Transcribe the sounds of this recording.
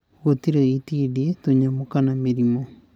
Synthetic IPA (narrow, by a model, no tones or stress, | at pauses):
ɣotiɾeitidietoɲamokanameɾimo